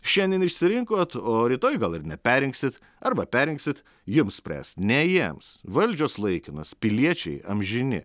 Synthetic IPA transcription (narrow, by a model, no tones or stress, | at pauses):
ʃʲɛnʲd̪ʲiɛnɪʃʲsʲɪɾʲɪŋkoːt̪oːɾʲiːt̪oːjɡɐlˠɪɾnʲɛpʲæːɾʲɪŋksʲɪt̪ | ɐɾbɐpʲæːɾʲɪ̃ŋksʲɪt̪ | jʊmsʲpʲɾʲæ̰ːst̪nʲɛjiɛmsʋɐlʲd͡ʒʲoːslˠɐɪkʲɪnɐspʲɪlʲiɛt͡ʃʲɛ̰ɪɐ̰mʲʒʲɪnʲɪ̰